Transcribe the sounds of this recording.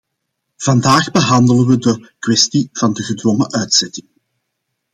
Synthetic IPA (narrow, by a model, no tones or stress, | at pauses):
v̥ɑndaːɣbəɦɑndələnʋədəkwɛstiv̥ɑndəɣədʋɔŋəʔœɥtsɛtɪŋ